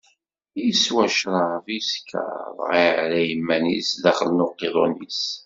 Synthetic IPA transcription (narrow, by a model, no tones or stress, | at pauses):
jswæʃɾˤɑviskʰə̰ðˤʁiʕɾæjəmːænḭsðæχəlnʊqːiðˤonis